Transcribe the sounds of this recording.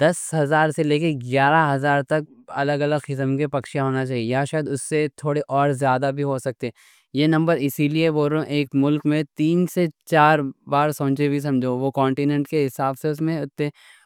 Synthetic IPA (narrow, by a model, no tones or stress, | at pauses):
d̪̥ɐsɦɐzaːɾseleːkẽɡjaːɾaɦɐzaːɾt̪ɐk̚ | ɐ̰ləɡɐləɡxɪsəmkepɐkʃijaɦoːnat͡ʃaːɦiejaʃaːjəd̪ʊsːet̪ʰoːɽeʔɔːɾzjaːd̪abʱiɦosɐk̚t̪eɛ | jenɐ̃mbəɾɪsilieʋoːɾõʔeːkmʊlkmẽt̪iːnset͡ʃaːɾbaːɾsõːt͡ʃebʱis̬ɐ̃md͡ʒʱoʋokɔ̃ːɳʈinɛ̃ɳʈkeɦɪsaːbseʊs̬mẽʊt̪ːeː